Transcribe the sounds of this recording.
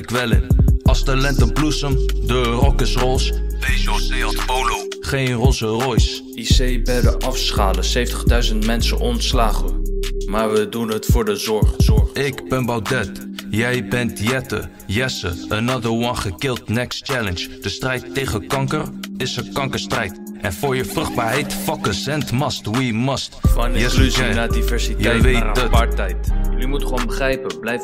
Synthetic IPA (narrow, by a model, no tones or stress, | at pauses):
kʋɛlɪ̰nɑlˠstalɛntəblusəmdərɔkəsrɔlˠsbejʒosejɑtpowlow | χejnrɔsərɔjs | isejbɛdəʔɑfsχaːləsejftəχdœɥzəntmɛnsə̰nɔntslaːχəmaːɹʋədunɦətfʊːɹdəzɔɹɔɪkbɛnbawdɛtjɛjbɛntjɛtə̰ | jɛsə̰ənɑdəɹwɑnχəkɪlˠtnɛkstt͡ʃɛlənd͡ʒd̥əstrɛjtːejχənkɑŋkərɪsəkɑŋkəɹstrɛjtʔɛ̰nfʊːɹjəfrɵχd̚baːɹɦɛjtfɑkəsɛntmɑstwimɑstnɛnadivɛɹsitjɛjʋedpːɛjtjlimutχonbəχrɛjpəblɛjf